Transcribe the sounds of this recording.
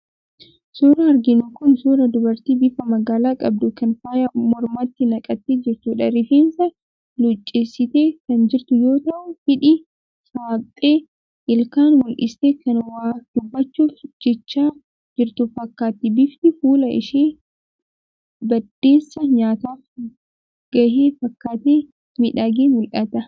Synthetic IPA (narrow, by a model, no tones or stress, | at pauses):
suːɾɐːɾɡɪnʊkʊnsuːɾɐd̪ʊbɐɾt̪iːbɪfɐmɐɡaːlaːkʼɐb̚d̪ʊkɐnfaːjɐmɔɾmaːt̪ːɪnɐkʼɐt̪ːed͡ʒɪɾt̪ʊᶑɐɾɪfeːnsɐ | lʊt͡ʃʼːeːsːɪt̪e̞ːkɐnd͡ʒɪɾt̪ʊjo̞ːt̪ɐʔʊfɪᶑɪ | saːpʼːe̞ː | ʔɪlkaːnmʊlʔɪst̪eːkɐnwaːd̪̥ʊbːɐt͡ʃːuːfd͡ʒɛt͡ʃːaː | d͡ʒɪɾt̪ʊfɐkːaːt̪ːɪbɪft̪ɪfuːlɐʔɪ̰ʃeː | bɐd̪̥ːe̞ːsːɐɲaːt̪aːf | ɡ̥ɐheːfɐkːaːt̪eː | mɪᶑaɡeːmʊlʔɐt̪ɐ